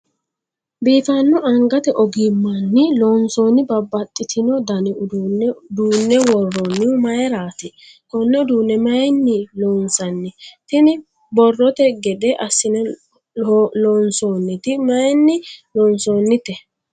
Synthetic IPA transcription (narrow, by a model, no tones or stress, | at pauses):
biːt̪ɐnːʊʔɐŋɡɐt̪ɛʔɔɡɪmːɐnːɪloːnsoːnɪbɐbːɐt̪ʼːɪt̪ʰɪnɔd̪ɐnɛʊd̪d̪uːnːɛwɔrːɔnːɪmɐjɛɾaːt̪ɪ | kɔnːɛʊd̪uːnːɛmɐjnːɪloːnsɐnːɪt̪ɪnɪ | bɔrːɔt̪ɛɡɛd̪ɛʔɐsːɪnɛ | lɔnsoːnːɪt̪ɪmɐjnːɪlɔːnsoːnːɪt̪ɛ